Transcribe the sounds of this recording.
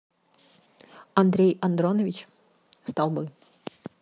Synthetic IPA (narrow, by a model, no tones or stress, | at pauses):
ɐnd̪ɾʲejɐnd̪ɾonəvʲɪt͡ɕ | st̪ɑlˠbɨ